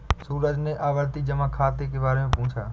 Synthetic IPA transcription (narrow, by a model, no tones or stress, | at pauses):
suːɾəd͡ʒnẽːʔaːʋəɾt̪iːd͡ʒəmãːkʰaːt̪eːkeːbaːɾeːmẽːpʊ̃ʊ̃t͡ʃʰa̰ː